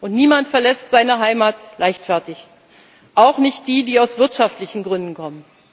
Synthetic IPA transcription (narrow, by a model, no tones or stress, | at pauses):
ʔʊntniːmantfɛɐlɛstz̥aɪnəɦaɪmaːtlʔaɪçtfɛɐtɪç | ʔaʊxnɪçt̚d̥iːdiːaʊsv̥ɪɐtʃaftlɪçn̩ɡʁʏndn̩kʰɔmən